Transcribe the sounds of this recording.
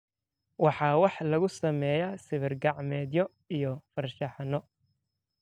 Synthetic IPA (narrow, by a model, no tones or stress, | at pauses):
wɑħɑːwɑħlɐɣʊsɐmɛːjasɪβɪrɡɑʕmɛːd̪jɔ | ijɔfɐrʃɑħɑnɔ